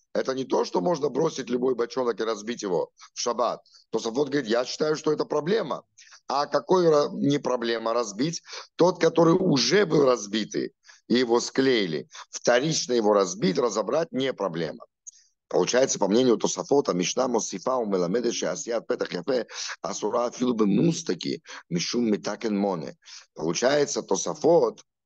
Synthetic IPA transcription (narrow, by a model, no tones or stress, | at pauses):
ɛt̪ənʲɪt̪o̞ʂt̪omo̞ʐnəbɾo̞sʲɪtʲlʲʊbo̞jbɐt͡ʃonəkɪɾɐzbʲitʲjɪvo̞fʂɐbat̪̚ːosɐfot̪ɡəvəɾʲit̪jaɕːɪ̥t̪ajʊʂt̪oɛt̪əpɾɐblʲe̞mə̰ | akɐko̞jɾɐnʲɪpɾɐblʲe̞məɾɐzbʲitʲt̪o̞t̪kɐt̪o̞ɾɨjʊʐɛbɨlˠrɐzbʲit̪ɨ̰ | ijɪvo̞sklʲejɪlʲɪ̰ft̪ɐɾʲit͡ʃnəjɪvoɾɐzbʲitʲrɐzɐbɾat̚ʲnʲepɾɐblʲḛmə̰ | pəlˠʊt͡ɕajɪt̪sə̥pɐmnʲenʲɪjʊt̪osɐfot̪əmʲɪʂnamosʲifaumɛlˠɐmɛd̪ɛʃɪɐ̰sʲjat̪̚pɛt̪ɐχjɐfɛɐ̰sʊɾafʲilˠbɨmust̪ɐkʲḭmʲɪʂumːɪt̪akʲɪnmonʲɛ̰pə̰lˠʊt͡ɕajɪt̪sət̪osɐfot̪